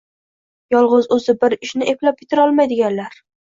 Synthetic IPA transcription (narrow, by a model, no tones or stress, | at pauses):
jɒlˠʁʊzɵzɪbɪɾɪʃnɪʔeplap̚kʲʰe̥t̪ʰɪɾɒlˠmajd̪ɪɡʲanlaɾ